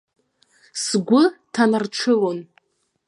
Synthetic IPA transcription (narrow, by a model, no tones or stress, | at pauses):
sɡʷʊtʰanarʈ͡ʂʷʰɨlon